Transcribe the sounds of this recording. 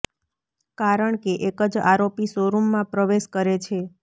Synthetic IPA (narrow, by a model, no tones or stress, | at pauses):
kaɾəɳkeʔekəd͡ʒa̰ɾopisoɾumːãpɾəʋeʃkəɾet͡ʃʰe